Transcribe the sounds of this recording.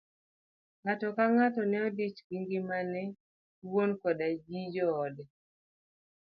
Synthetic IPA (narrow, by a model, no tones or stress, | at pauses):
ŋatɔkaŋatɔnɛɔdit͡ʃɡiŋɡimanɛ | wonkɔdad͡ʒid͡ʒɔːdɛ